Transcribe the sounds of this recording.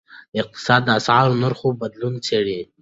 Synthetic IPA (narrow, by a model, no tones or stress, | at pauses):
d̪̥əɪq̚t̪ɪ̥sɑd̪̚ːəasʕɑɾnaɾxobad̪lunt͡seɽe